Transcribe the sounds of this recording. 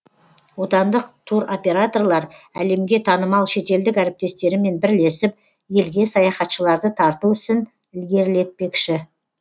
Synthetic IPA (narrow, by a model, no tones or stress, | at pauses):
wo̞t̪ɑnd̪əqt̪ʰuɾo̞pʲe̞ɾat̪o̞rlˠɑɾæle̞mɡʲe̞t̪ʰɑnəmɑlˠʃe̞t̪e̞ld̪ɪkæɾɪp̚t̪e̞st̪e̞ɾɪme̞nbɪɾle̞sɪp̚ | je̞lɡʲe̞sɑjɑχɑt̪ʃəlˠɑɾd̪ət̪ʰɑɾt̪uʏsɪn | ɪlɡʲe̞ɾɪle̞t̪̚pe̞kʃɪ